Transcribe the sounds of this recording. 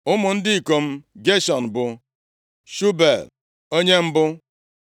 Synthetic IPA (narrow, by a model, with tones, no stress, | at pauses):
ʊ˦mʊ˨n̩˦dɪ˦i˨ko˨m̩˦ɡe˦ʃɔ˨n̩˨bʊ˨ | ʃu˦be˨l | o˦ɲe˦m̩˦bʊ˦